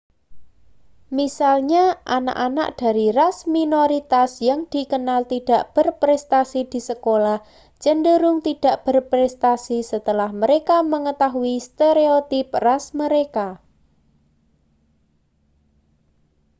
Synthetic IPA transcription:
misalɲaʔana̰ʔana̰ʔd̥a̤ɾirasminoɾit̪asjaŋd̪̥i̤kənalt̪iɖ̥a̤ʔb̥ə̤rpɾɛst̪asid̪̥i̤səkolah | t͡ʃənɖəɾʊŋt̪iɖ̥a̤ʔb̥ərpɾɛst̪asisət̪əlahməɾekaməŋət̪aɦuist̪eɾeot̪ɪprasməɾeka

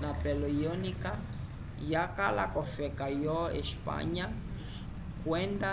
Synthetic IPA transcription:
napɛlɔjɔnika | jakala̰kɔfɛkajɔɛ̰ʃpa̰ɲa | kwɛnda

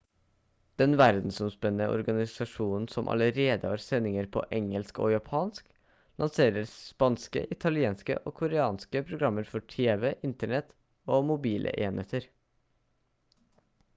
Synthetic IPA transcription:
d̪̥ɛnʋæɾd̪n̩sɔmspɛnːəʔɔ̰ɾɡɑnɪsɑʂuːnn̩sɔmʔɑ̰ləɾeːd̪əhɑːɾsɛnːɪŋəɾpʰo̰ːʔɛŋəlsko̰ːjɑpʰɑːnsk | lʔɑnseːɾəɾspɑnskə̰ʔɪt̪ʰɑlɪeːnskə̰ʔoːkʰʊɾɛɑːnskəpʰɾʊɡɾɑmːəɾfɔʈʰeːʋɛʔɪnt̪əɳɛt̪ | oːmʊbiːlʔə̰ʔeːnheːt̪əɾ

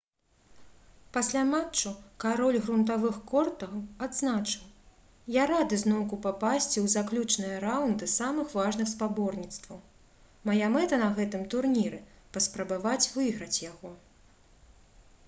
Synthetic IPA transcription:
pasʲlʲamat͡ʂːukaɾɔlʲɣɾunt̪avɨxkɔrt̪ɐad̪znat͡ʂɨw | jaɾad̪ɨznɔwkupapasʲt͡sʲiwzaklʲut͡ʂnɨjɐɾawnd̪ɨsamɨxvaʐnɨxspabɔrnʲit̪st̪vɐw | majamɛt̪ɐnɐɣɛt̪ɨmt̪urnʲiɾɨ | pɐspɾɐbavat͡sʲvɨɣɾɐt͡sʲjaɣɔ

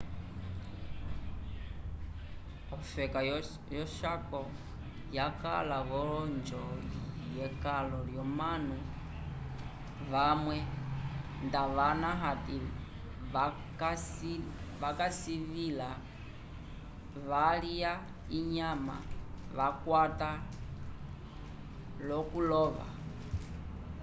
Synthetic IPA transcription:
ɔfɛka | jɔʃakɔ | jaka̰laβɔɔnd͡ʒɔlijɛkalɔljɔmanu | βamwɛ | ndaʋanaɦati | a | kasiʋakasiβila | ʋalija | iɲama̰ʋakwata | lɔkulɔʋa̰

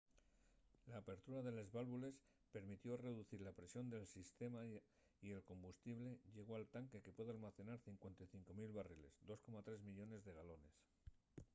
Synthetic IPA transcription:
laːpe̞ɾt̪uɾaðe̞le̞zβalβule̞s | pe̞ɾmit̪jo̞re̞ðuθiɾlapɾesjo̞nd̪e̞lsist̪e̞ma | ie̞lko̞mbust̪iβle̞ʝe̞ɣ̞o̞alt̪aŋke̞ke̞pwe̞ðalmaθe̞naɾθiŋkwe̞nt̪ajθiŋko̞milβarile̞zd̪o̞sko̞mat̪ɾe̞zmiʎo̞ne̞zðe̞ɣ̞alo̞ne̞s

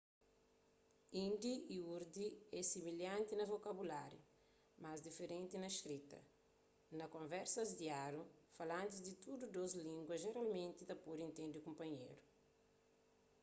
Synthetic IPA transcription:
ĩnd̪iiuɾd̪iɛsimiljãnt̪inɐvokɐbulaɾjɐ̰ | mazd̪ifeɾẽnt̪inɐiʃt̪ɾit̪ɐ̰ | nɐkõɱvɛɾsɐzd̪iaɾufɐlãnt̪izd̪it̪ud̪ud̪ozlĩŋɡwɐzʒeɾalmẽnt̪it̪ɐpoɾẽnt̪ẽnd̪ikõmpɐɲḛɾu

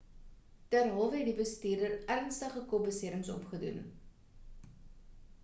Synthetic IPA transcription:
tærɦɔlˠfəɦɛtdibəstiːrdərærnstəχəkubəsiəɾəŋsɔ̰pχədṵn

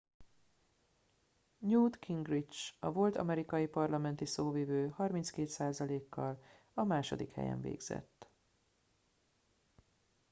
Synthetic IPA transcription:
ɲuːd̪kʰiŋɡrit͡ʃɒvo̞lt̪ʰɒ̰mɛɾikɒjipɒrlɒmɛnt̪isoːviːvøːhɒrminskeːt̪saːzɒleːkːɒl | ɒmaːʃod̪ikhɛ̰jɛ̰ɱvḛːɡz̥ɛ̰t̪ː

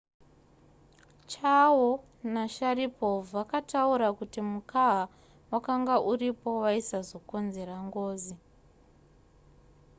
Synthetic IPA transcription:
t͡ʃawo | naʃaripo̞vakatauɾakutimukaɦa | wakaŋɡaʔuripo̞waisazo̞ko̞nze̞ɾaŋɡo̞ːzi

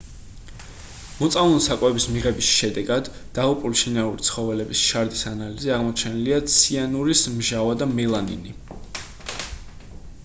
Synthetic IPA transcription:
mɔt̪sʼalunsakʼwɛbismiʁɛbisʃɛd̪ɛɡad̪ːaʁupʼuliʃinaulit̪sʰχɔvɛlɛbisʃaɾd̪isanaliziaʁmɔt͡ʃʰɛniliat̪sʰianuɾismʒavad̪amɛlˠanḭni

